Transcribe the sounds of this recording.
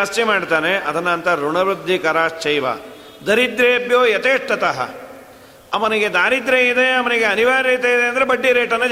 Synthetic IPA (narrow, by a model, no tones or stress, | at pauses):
ast͡ʃimaːɽt̪aːneɐd̪ɐnːɐnt̪ɐɾuɳɐʋɾud̪ʱːikɐɾaːst͡ʃɐjʋɐ̰ | d̪ɐɾid̪ɾeːbjoːjɐt̪eːʈʈːɐt̪ɐɦɐ̰ | ɐmɐniɡed̪aːɾid̪ɾeid̪eɐmɐniɡeɐniʋaːɾɐt̪eid̪eɐnd̪ɐɾebɐɖːiɾeːʈɐnːɐ